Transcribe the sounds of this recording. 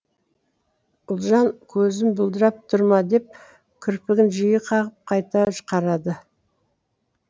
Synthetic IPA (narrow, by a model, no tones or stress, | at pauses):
ʊlˠʒɑŋkʲʰɵzɪnbʊlˠd̪əɾɑp̚t̪ʰʊɾmɑd̪e̞p̚ | kʲʰʏɾpɪɡʲɪnʒijəqʰɑʁəp̚qʰɑjt̪ɑʒəqɑɾɑd̪ə